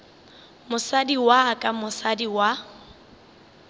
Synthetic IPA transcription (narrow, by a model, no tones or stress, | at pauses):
mʊsadiwakʼamʊsadiwa